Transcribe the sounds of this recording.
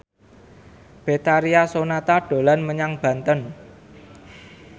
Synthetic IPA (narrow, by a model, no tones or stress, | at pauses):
b̥e̤t̪aɾiasonat̪aɖ̥o̤lanməɲaŋb̥a̤nt̪ən